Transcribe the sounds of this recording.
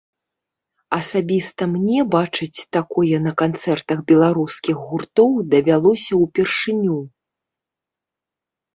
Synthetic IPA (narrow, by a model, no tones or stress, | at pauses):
ɐsabʲist̪ɐmnʲɛbat͡ʂɨt͡sʲt̪akɔjɛnɐkant̪sɛrt̪ɐɣbʲɛlˠaɾuskʲiɣɣurt̪ɔwd̪ɐvʲalˠɔsʲɐwpʲɛrʂɨnʲu